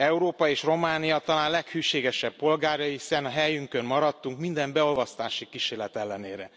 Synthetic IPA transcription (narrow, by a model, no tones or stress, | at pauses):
ɛuɾoːpɒeːʃro̞maːnijɒt̪ɒlaːnlɛkhyːʃeːɡɛʃɛb̚po̞lɡaːrjɒisɛnɒɦɛjyŋkø̞nmɒɾɒt̪ːuŋkmind̪ɛmbɛo̞lvɒst̪aːʃikiʃeːrlɛt̪ɛlːɛneːɾɛ